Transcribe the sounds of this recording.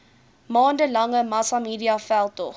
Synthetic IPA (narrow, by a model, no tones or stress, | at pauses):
mɑːndəlɐŋəmɐsamiːdiɐfælˠtɔ̰